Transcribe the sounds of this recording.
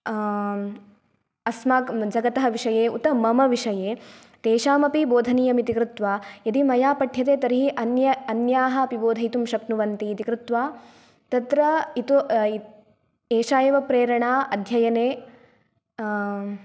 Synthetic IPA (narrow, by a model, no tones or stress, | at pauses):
ɐsmaːkd͡ʒɐɡɐt̪ɐɦɐʋiʂɐjeːṵt̪ɐmɐmɐʋiʂɐjeː | t̪eːʃaːmɐpiboːd̪ʱɐniːɐmit̪ikɾut̪ʋaːjɐd̪imɐjaːpɐʈʰjɐt̪eːt̪ɐɾiɦiʔɐnjɐɐnjaːɦɐɐpiboːd̪ʱɐit̪umʃɐknuʋɐnt̪iːt̪ikɾut̪ʋaː | t̪ɐt̪ɾɐit̪u | eːʃaːjɐʋɐpɾeːɾɐɳaːʔɐd̪ʱjɐjɐneː